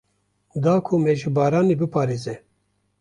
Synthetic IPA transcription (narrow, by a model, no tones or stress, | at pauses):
d̪aːkʰumɛʒɨbɑːɾaːniːbɨpʰɑːɾeːzɛ